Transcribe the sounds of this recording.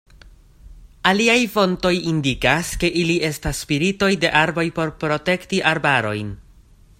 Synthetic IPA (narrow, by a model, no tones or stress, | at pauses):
aliajfo̞nto̞jindikaske̞ʔilie̞stasːpiɾito̞jde̞ʔaɾbo̞jpo̞ɾpɾo̞te̞ktiʔaɾbaɾo̞̰jn